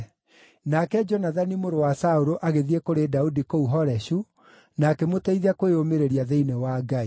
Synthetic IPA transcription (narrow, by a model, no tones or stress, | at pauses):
nakɛd͡ʒɔnaðanimoɾowasauɾoʔaɣeðiekoɾedaudikouɦɔɾɛɕu | nakemotɛiðakweomeɾeɾiaðeinewaɡai